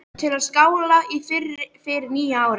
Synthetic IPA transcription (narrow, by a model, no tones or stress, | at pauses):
t̪ʰɪlaðskaːwlaifɪrɪfɪɾniːjaaːwɾ